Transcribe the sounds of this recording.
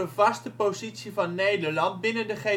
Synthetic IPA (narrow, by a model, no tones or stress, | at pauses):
əvɑstəpozitsivɑnːejdəɹlɑnt̚bɪnəndəχe